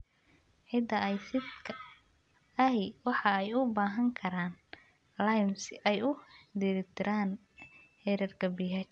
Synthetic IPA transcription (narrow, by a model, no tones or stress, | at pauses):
ħɪd̪ɐɛjsɪd̪kʰɐ | ɐɦɛwɑħɑɛjʊbaːɦɐŋkʰɐɾaːn | lajmsɪʔɛjʊd̪iːɾɪt̪ʰɪɾʔaːn | hɛɾɐrkʰɐbiːɦɐt͡ʃ